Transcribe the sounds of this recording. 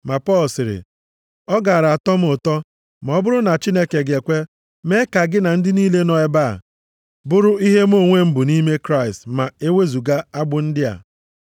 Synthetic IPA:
ma˨pɔ˦lsɪ˨ɾɪ̰˨ | ɔ˦ɡa˨a˨ɾa˨a˨tɔ˦m̩˦ʊ˨tɔ˦ | m˨ɔ˦bʊ˦ɾʊ˦na˨t͡ʃi˦ne˦ke˨ɡe˨kʷe˦ | me˦ka˨ɡɪ˦na˨n̩˦dɪ˦ni˦le˦nɔ˦ɛ˦ba̰˦˨ | bʊ˦ɾʊ˦i˦ɦe˦m˦o˦˨ŋʷe˦m̩˦bʊ˨ni˦me˦kɾa˦ɪ˨stma˨e˦we˦zu˨ɡa˦a˦ɡ͡bʊ˦n̩˦dɪ˦a̰˨

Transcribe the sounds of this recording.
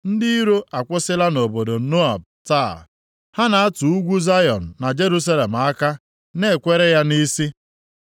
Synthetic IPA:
n̩˦dɪ˦i˦ɾo˦a˨kʷʊ˦sɪ˦la˦no˨bo˨do˨no˦a̰˨b̚ | ta˦˨ | ha˦na˨a˦tu˨u˦ɡʷu˦za˦jɔ˨n̩ː˨a˨d͡ʒe˦ɾu˦s̬a˦le˨m̩˨a˦ka˦ | ne˦˨kʷe˦ɾe˦ja˦ni˦si˦

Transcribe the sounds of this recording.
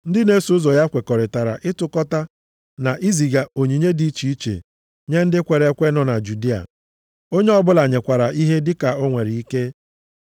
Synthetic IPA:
n̩˦dɪ˦ne˦su˨ʊ˦zɔ˨ja˦kʷe˨kɔ˨ɾɪ˨ta˨ɾa̰˨ʔɪ˦tʊ˦kɔ˦ta˦ | na˨ʔi˦zi˨ɡa˨o˨ɲi˨ɲe˦di˦t͡ʃi˨˦i˦t͡ʃḛ˨ | ɲe˦n̩˦dɪ˦kʷe˨ɾe˨˦kʷe˦nɔ˨na˨d͡ʒu˨di˦a̰˨ | o˦ɲe˦ɔ˦bʊ˦la˨ɲe˨kʷa˨ɾa˨ʔi˦ɦe˦dɪ˦ka˨o˦ŋʷe˨ɾi˨i˦ke˦

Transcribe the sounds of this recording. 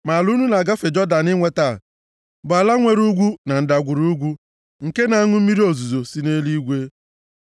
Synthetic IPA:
ma˨lu˦nu˦na˨ɡa˦fɪ˨d͡ʒɔ˦da˨nɪ˦ŋʷe˦ta˦˨ | bʊ˨a˨la˦ŋʷe˨ɾu˦ɡʷu˦na˨n̩˦da˨ɡʷʊ˨ɾu˦ɡʷu˦ | ŋ̩˨ke˦na˨a˦ŋʊ˦m̩˦mi˦ɾi˦o˨zu˨zo˨si˦ne˦li˦ɡʷe˦

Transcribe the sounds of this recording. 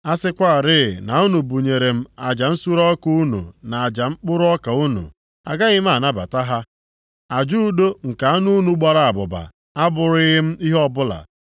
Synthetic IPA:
a˦sɪ˦kʷa˦a˨ɾɪ˦˨na˨u˦nu˨bu˨ɲe˨ɾe˨m̩˦a˨d͡ʒa˨n̩˦su˦ɾɔ˦ku˦u˦nṵ˨na˨a˨d͡ʒa˨ŋ͡m̩˦k͡pʊ˦ɾʊ˦ɔ˦ka˨u˦nṵ˨ | a̰˨ɡa˦ɣɪ˦m˦a˦˨na˦ba̰˨ta˦ɦa˦ | a˨d͡ʒu˦do˦ŋ̩˨ka˨a˦nu˦nu˨ɡ͡ba˨ɾa˦a˨bʊ˨ba̰˨ | a˦bʊ˨ɾɪ˦ɣɪ˦m̩˦i˦ɦɔ˦bʊ˦la̰˨

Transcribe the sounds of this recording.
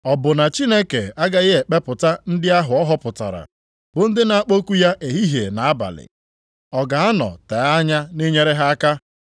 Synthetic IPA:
ɔ˨bʊ˨na˨t͡ʃi˦ne˦ke˨a˦ɡa˦ɣɪ˦ɦe˨k͡pe˦pʊ˨ta˦n̩˦dɪ˦a˦ɦʊ˨ɔ˦ɦɔ˦pʊ˨ta̰˨ɾa̰˨ | bʊ˨n̩˦dɪ˦na˨a˦k͡po˦ku˦ja˦ʔe˨ɦi˦ɦje˨na˨a˦ba̰˨lɪ̰˨ | ɔ˨ɡa˨a˦nɔ̰˨te˨˦a˦ɲa˦ne˦ɲe˦ɾe˦ɦa˦a˦ka˦

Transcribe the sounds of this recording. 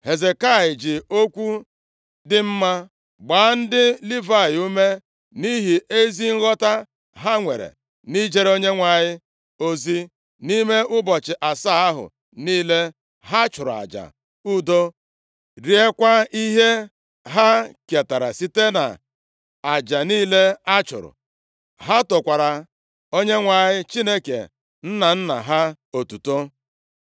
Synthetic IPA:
he˨ze˨ka˦˨ɪ˨d͡ʒɪ˨o˦kʷu˦ | dɪ˦m̩˦ma˦ | ɡ͡ba˨˦n̩˦dɪ˦li˦va˦˨ɪ˨u˦me˦ | ni˦ɦi˨e˦zi˦ŋ̩˦ɣɔ˦ta˦ | ɦa˦ŋʷe˨ɾḛ˨ | ni˦d͡ʒe˦ɾo˦ɲe˦ŋʷa˨ɲɪ˦ | o˦zi˦ | ni˦me˦ʔʊ˦bɔ˨t͡ʃɪ˨ʔa˨sa˦a˦ɦʊ̰˨ | niː˦le˦ | ɦa˦t͡ʃʊ˨ɾʊ˨a̰˨d͡ʒa̰˨ | u˦do˦ | ɾi˨e˦kʷa˦i˦ɦe˦ | ɦa˦ke˨ta˨ɾa̰˨si˦te˦na̰˨ | a˨d͡ʒa˨niː˦le˦a˦t͡ʃʊ̰˨ɾʊ̰˨ | ɦa˦tʊ˨kʷa˨ɾa˨ | o˦ɲe˦ŋʷa˨ɲɪ˦t͡ʃi˦ne˦kḛ˨ | n̩˦na˨n̩˦na̰˨ɦa˦ | o˨tu˨to˦

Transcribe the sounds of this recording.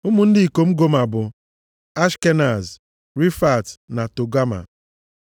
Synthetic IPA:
ʊ˦mʊ˦n̩˦dɪ˦i˨ko˨m̩˦ɡo˦ma˨bʊ˨ | a˦ʃke˦na˨z | ɾi˦fa˨tna˨to˨ɡa˦ma̰˨

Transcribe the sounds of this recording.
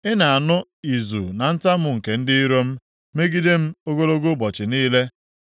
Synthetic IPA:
ɪ˦na˨a˨nʊ˦ | i˨zṵ˨na˨n̩˦ta˦mʊ˨ŋ̩˨ke˨n̩˦dɪ˦i˦ɾo˦m̩˦ | me˦ɡi˦de˦m̩˦o˦ɡo˦lo˦ɡo˦bɔ˨t͡ʃɪ˨niː˦le˦

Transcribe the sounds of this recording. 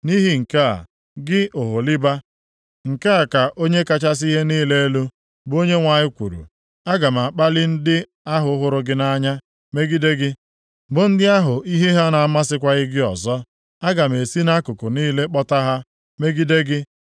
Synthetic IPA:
ni˦ɦi˦ŋ̩˨ka˦a̰˨ | ɡɪ˦o˨ɦʊ˨lɪ˦ba˦ | ŋ̩˨ka˦a˨ka˨ʔo˦ɲe˦ka˦t͡ʃa˦s̬i˦ɦe˦niː˦le˦e˦lu˦ | bo˦ɲe˦ŋʷa˨ɲɪ˦kʷṵ˨ɾṵ˨ | a˦ɡa˨m˨a˨k͡pa˦lɪ˦n̩˦dɪ˦ | a˦ɦʊ˨˦ɦʊ˨ɾʊ˦ɡɪ˦na˦ɲa˦ | me˦ɡi˦de˦ɡɪ˦ | bʊ˨n̩˦dɪ˦a˦ɦʊ˨i˦ɦi˦ɦa˦na˨a˦ma˦sɪ˦kʷa˦ɣɪ˦ɡɪ˦ɔ˨zɔ˦ | a˦ɡa˨m̩˨e˨si˦na˦kʊ˨kʊ˨niː˦le˦k͡pɔ˦ta˦ɦa˦ | me˦ɡi˦de˦ɡɪ˦

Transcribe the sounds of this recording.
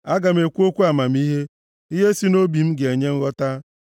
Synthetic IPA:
a˦ɡa˨m̩˦e˨kʷu˦o˦kʷu˦a˨ma˨m̩˦i˦ɦe˦ | i˦ɦe˦si˦no˦bi˨m̩˦ɡe˨ɲe˦ŋ̩˦ɣɔ˦ta˦

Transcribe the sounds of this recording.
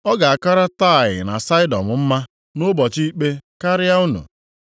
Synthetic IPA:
ɔ˦ɡa˨a˨ka˦ɾa˦ta˦˨ɪ̰˨na˨sa˦ɪ˦dɔ̰˨mʊ˨m̩˦ma˦ | nʊ˦bɔ˨t͡ʃi˦i˦k͡pe˦ka˦ɾɪ˦a˦u˦nṵ˨

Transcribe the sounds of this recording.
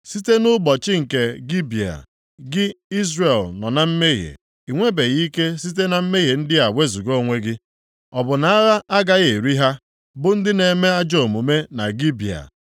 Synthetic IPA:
si˦te˦nʊ˦bɔ˨t͡ʃɪ˦ŋ̩˨ke˨ɡi˦bi˨a̰˨ | ɡɪ˦i˦zre˨lnɔ˨na˨m̩˦me˦ɣḛ˨ | i˨ŋʷe˦be˨ɣi˦ke˦si˦t̬e˦na˨m̩˦me˦ɦe˨n̩˦dɪ˦a˨we˦zu˨ɡo˦˨ŋʷe˦ɡɪ˦ | ɔ˨bʊ˨na˦a˦ɾa˦ʔa˦ɡa˦ɣe˨ɾi˦ɦa˦ | bʊ˨n̩˦dɪ˦ne˨me˦a˦d͡ʒo˦˨o˨mu˨me˦na˨ɡi˦bi˨a̰˨

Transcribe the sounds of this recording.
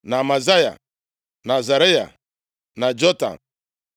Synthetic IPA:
na˨ma˨za˦ja̰˨ | na˨za˨ɾe˦ja̰˨ | na˨d͡ʒɔ˦ta̰˨

